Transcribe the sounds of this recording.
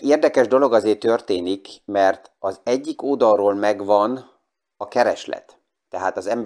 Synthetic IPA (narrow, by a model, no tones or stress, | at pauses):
eːrd̪ɛkɛʒd̪o̞lo̞ɡɒzeːt̪ørt̪eːnikmɛrt̪ | ɒzɛɟːikoːd̪ɒrroːlmɛɡʋɒn | ɒkɛɾɛʃlɛ̰t̪ː | ɛɦaːt̪ɒzɛmb